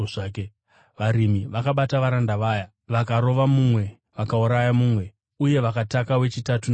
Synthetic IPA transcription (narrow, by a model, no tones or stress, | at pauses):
aːke | ʋaɾimiʋakaɓataʋaɾandaʋaːja | ʋakaɾo̞ʋamumwe̞ | ʋakauɾajamuːmwe̞ | uje̞ʋakatakawe̞t͡ʃitatun